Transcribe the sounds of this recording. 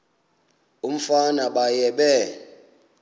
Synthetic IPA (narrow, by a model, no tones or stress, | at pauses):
um̩fanaɓajɛɓɛ